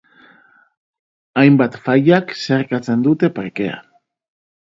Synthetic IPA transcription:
ajmbat̪faʎakseɾkat͡se̞nd̪ut̪e̞paɾke̞a̰

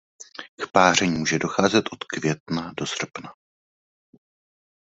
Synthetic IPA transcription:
kpaːr̝ɛɲːmuːʒɛdoxaːzɛt̪ʔo̞t̪kvjɛt̪̚nado̞sr̩pna

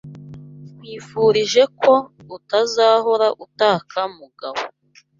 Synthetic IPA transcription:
kwiːfuɾiʒe̞ko̞ | utazaɦoɾaʔutaːkʰamuɡaβo

